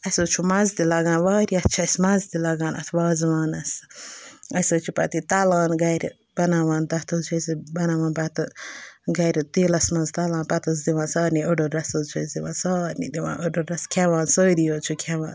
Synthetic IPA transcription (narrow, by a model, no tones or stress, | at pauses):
ɐsot͡ʃʰumɐzt̪ilɐɡaːnʋaːɾiɐt̪ːt͡ʃʰɐsmɐzt̪ilɐɡaːnɐ̰t̪ʰʋaːziʋaːnɐs | ɐsoːt͡ʃʰupɐ̰t̪it̪ɐlaːnɡɐɾ | b̥ɐnaːʋaːnt̪ɐt̪ʰot͡ʃʰuɐsibɐnaʋaːnpɐt̪ɨɡɐɾt̪iːlɐsmɐnzt̪ɐlãːnpɐt̪ɐs̬d̪iʋãːnsaːɾniʔoɖoɾɐsot͡ʃʰuɐzd̪iʋa̰ːnsaːɾnḭd̪iʋa̰ːnʔoɖoɾɐskʰʲɛʋãːnsoːd̪ijoːt͡ʃʰukʲʰɛʋa̰ːn